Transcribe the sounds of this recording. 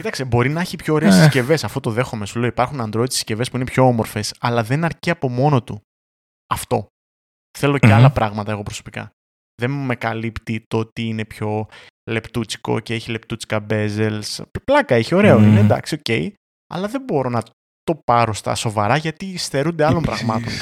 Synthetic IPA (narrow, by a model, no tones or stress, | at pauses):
cit̪ɐksebo̞ɾinɐeçipço̞ːɾe̞ːssce̞ve̞sɐft̪o̞t̪o̞ðe̞xomesuleoipɐɾxunɐnd̪ɾo̞ðit̪i̥sce̞vespuine̞pço̞omo̞ɾfe̞sɐlɐðe̞nɐɾciɐpo̞mo̞no̞t̪u | ɐft̪o̞ | θe̞lo̞ceɐlɐpɾɐɣmɐt̪ɐe̞ɣo̞pɾo̞so̞pikɐ̰ | ðe̞nme̞kɐlipt̪it̪ot̪iine̞pço̞ | le̞pt̪ut͡si̥ko̞̰ceeçile̞pt̪ut͡si̥kɐbe̞ze̞lsplɐkɐeçio̞ɾe̞oinend̪ɐ̰ksio̞ce̞ij | ɐ̰lɐðe̞mbo̞ɾo̞nɐ | t̪o̞pɐɾo̞st̪ɐ̰so̞vɐɾɐʝɐt̪ist̪e̞ɾund̪eɐlompɾɐɣmɐt̪o̞̰n